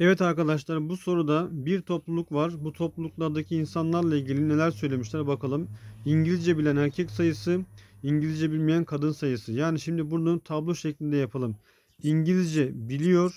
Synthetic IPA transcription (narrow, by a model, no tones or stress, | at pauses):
ɛvɛt̪aɾkad̪aʃ̬lˠaɾbuso̞ɾud̪abiɾt̪ʰo̞plˠulˠukvaɾbut̪ʰo̞plˠulˠuklˠaɾd̪acʰiːnsanlˠaɾlˠailʲɟʲilʲine̞lʲæɾsøjlʲe̞miʃlʲæɾbakʰalˠɯmiɲɟilʲizd͡ʒɛbilʲænhæɾcʰɛcsajɯsɯiɲɟilʲizd͡ʒɛbilʲmijænkʰad̪ɯnsajɯsɯjaːniʃimd̪ibuɾd̪ant̪ʰablˠoʃeclʲind̪ɛjapʰalˠɯm | iɲɟilʲizd͡ʒɛbilʲijo̞ɾ̥